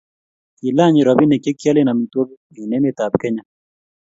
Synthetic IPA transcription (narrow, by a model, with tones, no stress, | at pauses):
ki˨la˦ɲi˨ɾɔ˨bi˦nɛ˨kje˦kja˦le˦na˨mi˨two˦k | i˨nɛ˦me˨ta˨p̚kɛ˦ɲa˦